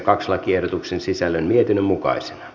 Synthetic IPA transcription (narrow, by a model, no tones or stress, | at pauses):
kɑkslɑkiehdot̪uksensisælːønmiet̪inːømmukɑ̰ise̥nɑ